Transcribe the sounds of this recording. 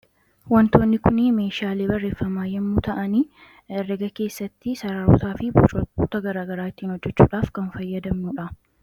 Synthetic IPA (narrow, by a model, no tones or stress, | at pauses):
wɐnt̪o̞ːnːɪkʊnɪme̞ːʃaːle̞ːbɐrːe̞ːfːɐmaːjɛmːuːt̪ʰɐʔɐniː | ɛrːɛɡɐke̞ːsːɐt̪ːɪsɐɾaɾṵːt̪aːfɪbbuːt̪ɐɡɐɾaːɡɐɾaːɪt̪ːiːnhɔd͡ʒːɛt͡ʃːṵːᶑaːfkɐnfɐjːɐd̪ɐmːuːᶑɐ